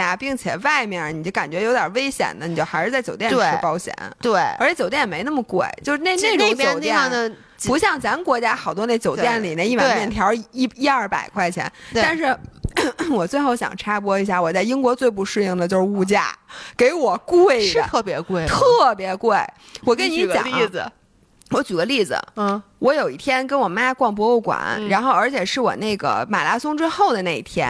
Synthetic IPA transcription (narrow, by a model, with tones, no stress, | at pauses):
a˩pi˥˩ŋt͡ɕʰjɛ̰˨˩wa˥˧ɪmjɛ˥˩n˩ni˨˩t͡ɕjo˥˩ʊka˨˩nt͡ɕɥɛ˧˥jo˧˥t̪jə˞˨˩ʋe˥ɪɕjɛ̰˨˩nd̪ə˦ni˨˩t͡ɕjo˥˧xa˧˥ɪʂɻ̩˥˧t͡sɪt͡ɕo˨˩ʊt̪jɛ˥˩˧ne˥ʈ͡ʂɻɪ˥pɑ˥ʊɕjɛ̰˧˩˦nt̪we˥˩ɪə˧˥t͡ɕʰjɛ˧˥t͡ɕo˨˩ʊt̪jɛ˥˩nɛ˨˩me˧˥ɪnə˥˩mə˩kwe˥˩ɪt͡ɕjo˥˧ʂɻ̩˥˧ne˥˧ɪne˥˩ne˥˩˥t͡ɕjo˨˥n˩t̪ɛ˥˩ə˩˧ | pu˧˥ɕjɑ˥˩ŋt͡sa˧˥mə˧kwɔ˧˥t͡ɕja˥xɑ˨˩ʊt̪wɔ˥ne˥˩ɪt͡ɕjo˨˩ʊt̪jɛ˥˩nli˨˩ne˥˩i˥˩wmjɛ˥˩nt̪ʰjɑ˧˥ʊ˥i˥ɐ˞˥˩pa̰˨˩ɪkʰwa˥˩ɪt͡ɕʰjɛ̰˧˥nt̪a˧˥˧ʂɻ̩˥˩ | wɔ˨˩t͡swe˥˧xo˥˩ʊɕjɑ̰˨˩ŋʈ͡ʂʰa˥pwɔ˥i˧˥ɕja˥˩wɔ˨˩t͡sa˥˩ɪi˥ŋkwɔ˧˥t͡swe˥˧ɪp̬u˥˧ʂɻ̩˥˧ji˥˩ŋd̪ə˩t͡ɕjo˥˧ʊʂɻ̩˧u˥˧t͡ɕja̰˥˩ke˧˥ɪwɔ˨˩kwe˥˩ɪ̰˧˩t̪ʰɤ˥˩pjɛ˧˥kwe˥˩ɪt̪ʰɤ˥˩pjɛ˧˥kwe˥˩ɪ | wɔ˨˩kə˥nni˧˥t͡ɕɑ̰˩˥˩ | wɔ˧˥t͡ɕy˨˩ɡə˦li˥˩d͡z̩̰˩wʔɔ˧˥jo˨˩ʊi˥˩t̪ʰjɛ˥nkə˥nwɔ˨˩ma˥kwɑ˥˩ŋp̬wɔ˥o˥˩ʊkwa̰˨˩˦nɻa˧˥nxo˥˩ʊə˞˧˥t͡ɕʰjɛ˨˩ʂɻ̩˥˩wɔ̰˨˩na˥˩ɡə̰˩ma̰˨˩la˥sʊ˥ŋʈ͡ʂɻ̩˥xo˥˩ʊd̪ə˩na˥˩ḭ˥˩t̪ʰjɛ̰˥n